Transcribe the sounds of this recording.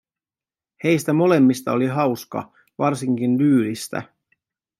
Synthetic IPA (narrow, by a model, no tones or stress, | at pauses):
he̞jst̪æmo̞le̞mːist̪ɑo̞liɦɑwskɑ̰ | ʋɑrsiŋkind̪yːlist̪æ̰